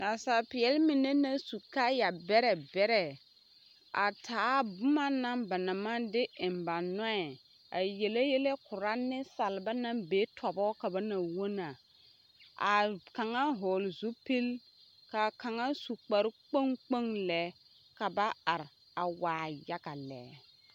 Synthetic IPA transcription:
na˨sa˨pɪ˨jɛ˦lmɪ˨nɛ˦na˨su˨ka˦ja˨bɛ˦ɾɛ˨bɛ˦ɾɛ˨ | a̰˨tʰaː˨˦bʊ˦ma˦na˦mba˨na˨ma˦dɪ˦ɪ˨mba˨nɔ˦ɛ˨ | a˨je˨le˦je˦le˦kʊ˨ɾa˦nɪ˦sa˨lba˦na˦beː˦tʰɔ˨bɔ˦ka˨ba˦na˨wo˦na˨ | a̰˨ka˨ŋa˦ɦʊː˨lzu˦pi˦l | ka˨ka˨ŋa˦su˨k͡pa˨ɾk͡po˦ŋk͡po˦ŋlɛ˨˦ | ka˨ba˦a˨ɾ | a˨waː˨ja˦ɡa˨lɛ̰˨˦

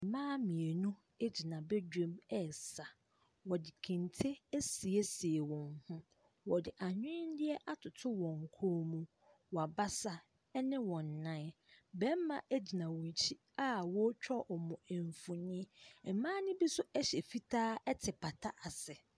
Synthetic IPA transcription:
mãː˦mĩ˨e˨nũ˦ | e˦d͡ʑi˨nã˨be˦d͡ʑᶣẽ˦mɛ˦˨sa˨ | wɔ˨dɪ˨kʰĩ˨n˨tʰe˦æ˦si˨e˦si˨e˨wɔ̃˨nhʊ̃˦ | wɔ˨dɪ˨ʔa˨ɲᶣɪ̃˦n˦dɪ˦ɛ˦ʔa˦tʰʊ˨tʰʊ˦wɔ̃˨ŋ˨kʰo˦mũ˦ | wɔ˨a˨ba˦sa˦ | ɛ˦nɪ̃˦wɔ̃˨nː˨ã˦ | bɛ̃˦m˦mã˨ʔæ˦d͡ʑi˨nã˨wɔ̃˨ɲ˨t͡ɕʰi˦ | a˦wɔ˦t͡ɕᶣɔ˦ʔɔ˨mɔ̃˨e˨ɱ˨fʊ̃˨nĩ˦˨˦mãː˦nɪ̃˦bi˦sʊ˦ʔæ˦ɕɛ˨fi˦tʰaː˦ɛ˦tʰɪ˨pʰa˨tʰa˦ʔa˨sɛ˨

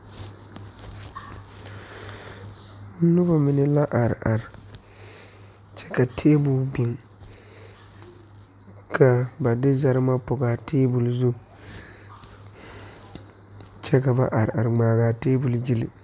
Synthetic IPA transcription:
nʊ˦bɔ˦mɪ˨nɪ˨la˦ʔa˨ɾ̰ʔa˨ɾɪ˨ | t͡ʃɛ̥˦ka˨tʰeː˦bʊ˨lbɪ˨ŋ | ka˨ba˨dɪ˦za˨ɾɪ˦ma˦pʊ˨ɡaː˨tʰeː˦bʊ˨lzu˦ | t͡ʃɛ˦ka˨ba˨ʔa˨ɾa˨ɾɪ˨ŋ͡maː˨ɣaː˨teː˦bʊ˨ld͡ʒi˦lɪ˨

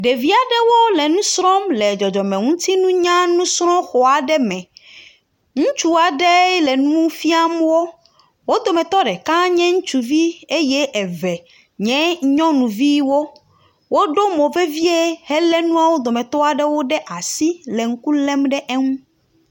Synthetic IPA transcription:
ɖe˨vi˦a˨ɖɛ˦wo˦lɛ˨nũ˦sɾɔ̃˦mlɛ˨d͡ʒɔ˨d͡ʒɔ˨mɛ̃˨ŋũ˦t̪i˦nũ˦ɲã˦nũ˦sɾɔ̃˦xɔ˨a˨ɖɛ˦mɛ̃˨ | ŋũ˦t͡ʃu˦a˨ɖɛ˦lɛ˨nũ˦ũ˦fi˦a˦mwo˦ | wo˦d̪o˨mɛ̃˨t̪ɔ˦ɖɛ˨kã˦ɲɛ̃˦ŋũ˦t͡ʃu˨vi˦e˦jɛ˦ʔɛ˨vɛ˨ | ɲɛ̃˦ɲɔ̃˦nũ˨vi˦wo˦ | wo˦ɖo˦mo˨ve˦vi˦e˦hɛ˦lɛ˦nũ˦a˦wo˦d̪o˨mɛ̃˨t̪ɔ˦a˨ɖɛ˦wo˦ɖɛ˦ʔa˨si˦lɛ˨ŋ̩˦ku˦lɛ˦mɖɛ˦ʔɛ˦ŋũ˦

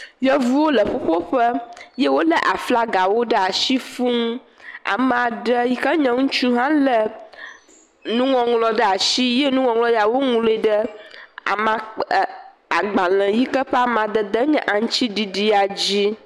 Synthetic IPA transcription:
jɛ˦vu˦wo˦lə˨ɸo˦ɸo˦ɸə˦jɛ˦wo˦lə˦ʔa˨fla˦ɡa˨wo˦ɖə˦a˨ʃi˦fũ˦ŋ˦ | a̰˨mɛ˨a˨ɖə˦ji˦kə˦ɲɛ̃˨ŋũ˦t͡ʃũ˦ɦã˦lə˨ | nũ˦ŋɔ̃˨ŋlɔ˨ɖə˦a˨ʃi˦jɛ˦nũ˦ŋɔ̃˨ŋlɔ˦ja˨wo˦ŋũ˦le˦ɖə˦a̰˨mã˨ | a˨ɡ͡ba˨lɛ̃˨ji˦kə˦ɸɛ˦a˨mã˨d̪ə˨d̪ə˦ɲɛ̃˦ʔa˨ŋ̩̃˦t͡ɕi˦ɖi˨ɖi˦a˨d͡ʑi˦

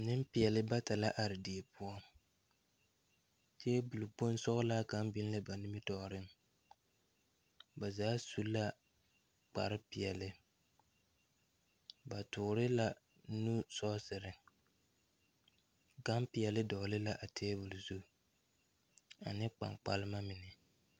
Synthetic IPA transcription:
nɪ˦m˦pi˨ɛ˨lɪ˦ba˦ta˨la˦ʔa˨ɾɪ˨di˨e˨pʊ˦ɔ˦ | t͡ʃɛ˦bu˨lu˨k͡po˦n˦sɔ˦ɣla˦ka˨˦mbɪ˦n˦lɪ˦ba˨nɪ˦mɪ˦tɔ˨ɾɪ˦ŋ | ba˨zaː˨˦su˦la˦ | k͡pa̰˨ɾɪ˦pɪ˨ɛ˨lɪ˦ | ba˨tʊ˨ɾɪ˦la˨ | nu˦sɔ˦sɪ˨ɾɪ˨ | ka˦mpɪ˨ɛ˨lɪ˦dɔ˨lɪ˦la˨ʔa˨tʰeː˦bu˨lu˨zu˦˨ | a̰˨nɪ˦k͡pa̰˨ŋk͡pa̰˦lɪ˦ma˦mɪ˨nɪ˨

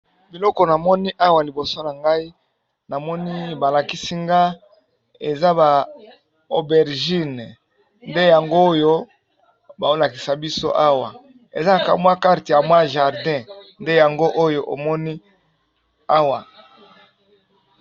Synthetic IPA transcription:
bi˨lɔ˦kɔ˦na˨mɔ˦ni˦ʔa˦wa˨li˨bo˨so˦na˨ŋɡa˦i˦ | na˨mɔ˦ni˦ba˨la˨ki˦si˦ŋɡa˦ | e˨za˦ba˨ | o˨bɛ˨ʁʒi˦˨n˨ | nde˦ja˨ŋɡo˦jo˦ | ba˨o˦la˨ki˨sa˨bi˦so˦ʔa˦wa̰˨ | ḛ˨za˦a˨ka̰˨mwa˦ka˦ʁti˨ja˨mwa˦ʒa˨ʁdɛ̃˦nde˦ja˨ŋɡo˦ʔo˦jo˦ʔo˨mɔ˦ni˦ | a˦wa˨

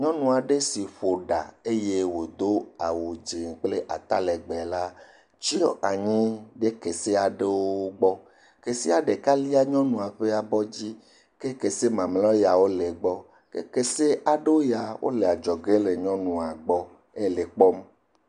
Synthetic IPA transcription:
ɲɔ̃˦nũ˨a˨ɖe˦si˨ɸo˨ɖa̰˨e˦je˦wo˨d̪o˦a˨wo˨d͡ʒi˨ŋ˨k͡ple˦ʔa˨t̪a̰˦lɛ˨ɡ͡be˨la˦ | t͡ʃi˦ɔ˦ʔa˨ɲĩ˦ɖe˦ke˨se˦a˨ɖe˦wo˦ɡ͡bɔ˦ | ke˨si˦a˨ɖe˨ka˦li˦a˦ɲɔ̃˦nũ˨a˨ɸe˦a˨bɔ˦d͡ʑi˦ | ke˦ke˨se˦mã˨mlɔ̃˦ja˨wo˦le˨ɡ͡bɔ˦ | kḛ˦ke˨se˦ʔa˨ɖe˦wo˦ja˨wo̰˦le˨a˨d͡ʒɔ˨ɡe˦le˨ɲɔ̃˦nũ˨a˨ɡ͡bɔ˦ | e˦˨le˨k͡pɔ˦m

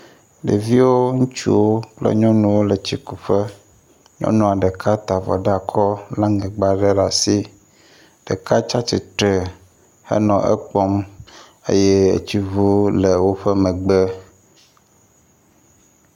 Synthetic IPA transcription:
ɖḛ˨vi˦wo˦ŋũ˦t͡ʃṵ˦wo˦k͡plɛ̰˦ɲɔ̃˦nũ˨wo˦le˨t͡ɕi˦ku˨ɸɛ˦ | ɲɔ̰̃˦nɔ̃˦˨a˨ɖɛ˨kʰa˦t̪a˨vɔ̰˨ɖa˨kʰɔ˦la˦ŋɡɛ˨ɡ͡ba˨ɖɛ˦ɖa˨si˦ | ɖ̥ɛ˨ka˦t͡ʃa˦t͡ʃi˨t̪ɾɛ˨ | hɛ̰˦nɔ̃˨ʔɛ̰˦k͡pɔ˦m | ḛ˦je˦ḛ˨t͡ɕi˦vu˦le˨wo˦ɸɛ˦mɛ̃˨ɡ͡bɛ˦

